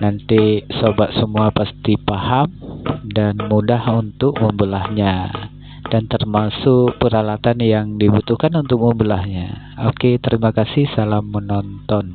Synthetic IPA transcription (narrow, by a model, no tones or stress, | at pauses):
nant̪isobaʔsəmuapast̪ipahamdanmudahunt̪ʊk̚məmbəlahɲa | d̥ant̪ərmasʊk̚pəɾalat̪anjaŋdibut̪uhkanunt̪ʊk̚məmbəlahɲa | oket̪əɾimakasɪhsalamːənɔnt̪ɔn